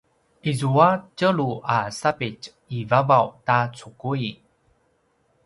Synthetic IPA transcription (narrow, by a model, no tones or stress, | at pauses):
ʔizuacəluʔasapit͡ʃ | ivavawtat͡sʰukui